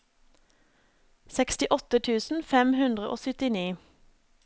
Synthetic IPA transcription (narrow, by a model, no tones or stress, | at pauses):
sɛkst̪ɪʔɔt̪ət̪ʰʉːsn̩fɛmhʉnd̪ʁəʔo̰ːsʏt̪ɪniː